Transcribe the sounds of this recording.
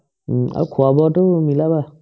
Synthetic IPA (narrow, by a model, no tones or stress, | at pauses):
a̰ukʰuabɔtɔmilaba